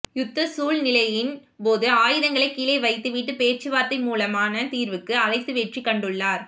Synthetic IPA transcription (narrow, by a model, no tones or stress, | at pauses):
jʊt̪ːɐsuːlnɪlɐjɪn | poːðɯaːjɪðɐŋɡɐɭɐɪkːiːlɐɪʋɐɪt̪ːɯʋiʈːɯpeːɾt͡ʃɯʋaːɾt̪ɐɪmuːlɐmaːnɐt̪iːɾʋɯkːɯɐlɐɪt̪ːɯʋeːʈrikːɐɳɖɯɭːaːɾ